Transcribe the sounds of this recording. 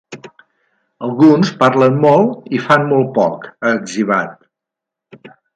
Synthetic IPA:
əlˠɣunspaɾlənmɔlˠifanmɔlˠt̪̚pɔkəːɡʒiβ̞at̪̚

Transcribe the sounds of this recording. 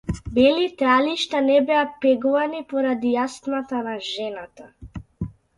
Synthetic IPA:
bɛlit̪ɾaliʃt̪anɛbɛapɛɡɔvanipɔɾad̪ijast̪nat̪anaʒɛnat̪a

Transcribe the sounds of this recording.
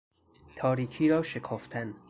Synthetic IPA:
t̪ʰɒːɾiːkʰiːɾɒːʃekʰɒːft̪ʰæn

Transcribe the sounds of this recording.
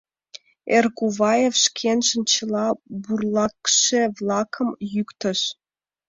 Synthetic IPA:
erɣuβɑjefʃkʰenʃə̆nt͡ɕə̆lɑburlˠɑkʃevlˠɑkʰə̆mjykt̪ə̆ʃ

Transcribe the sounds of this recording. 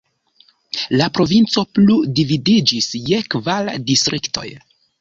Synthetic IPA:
lapɾo̞vint͡so̞pludividid͡ʒisje̞kvaldistɾikto̞̰j

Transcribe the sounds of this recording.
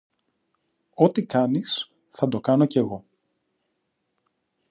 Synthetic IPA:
o̞t̪ikɐnis | θɐd̪o̞kɐno̞ce̞ɣo̞

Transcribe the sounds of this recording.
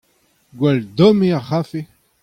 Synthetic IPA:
ɡwɛld̪ɔmiaχafe

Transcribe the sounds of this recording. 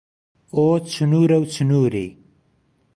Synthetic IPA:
ot͡sənuɾawt͡sənuɾḛ

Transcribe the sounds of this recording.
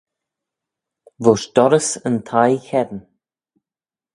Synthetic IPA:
vʊʃd̪̥ɔɾəsənt̪ʰajçɛd̪ən

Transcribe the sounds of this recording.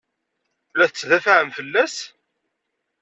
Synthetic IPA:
læθt͡sːðæfʕəmfəlːæs

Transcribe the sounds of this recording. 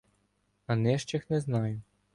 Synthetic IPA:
ɐnɛʃt͡ʃɪxnɛznɑjʊ

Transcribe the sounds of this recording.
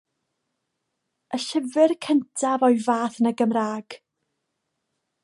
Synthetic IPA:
ʔəɬəvɪrkʰəntʰavɔɨvaːθnəɡəmraːɡ̥

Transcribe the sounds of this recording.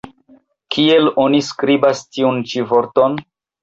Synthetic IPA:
kʰie̞lo̞niskɾibastiunt͡ʃivo̞ɾton

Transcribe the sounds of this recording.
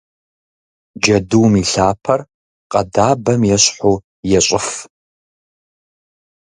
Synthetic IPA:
d͡ʒɐduwmiɬaːpʰɐr | qʼɐdaːbɐmjɛɕħuː | jɛɕʼɪf

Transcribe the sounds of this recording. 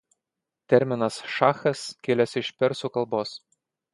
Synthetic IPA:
t̪ʲɛɾʲmʲɪnɐsʃɑxɐskʲelʲɛsɪʃpʲɛɾsukɐlˠboːs

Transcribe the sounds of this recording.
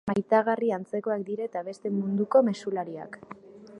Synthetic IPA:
majt̪aɣariant͡se̞ko̞ak̚d̪iɾet̪aβe̞st̪e̞mund̪uko̞me̞sulaɾia̰k

